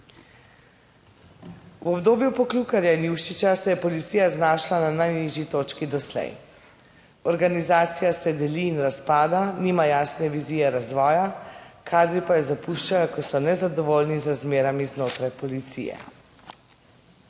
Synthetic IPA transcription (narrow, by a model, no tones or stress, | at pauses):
wɔbd̪oːbjupɔklukaɾjainjuːwʃit͡ʃasɛjɛpɔlit̪siːjaznaːʃlananajniʒjit̪oːt͡ʃkid̪ɔslɛ̰j | ɔɾɡanizaːt̪sijasɛd̪ɛliːnɾaspaːd̪aniːmajaːsnɛʋiziːjɛɾazʋɔːjakʰaːd̪ɾipajɛzapuʃt͡ʃajɔkɔsɔnɛzad̪ɔʋoːlnizɾazmeːɾamiznoːt̪ɾajpɔlit̪sḭjɛ̰